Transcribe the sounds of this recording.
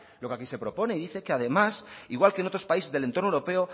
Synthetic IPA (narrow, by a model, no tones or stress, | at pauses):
lo̞keakise̞pɾo̞po̞ne̞iðiθe̞keaðe̞masiɣwalkeːno̞t̪ɾo̞spaise̞zðelent̪ɾnoewɾo̞pe̞o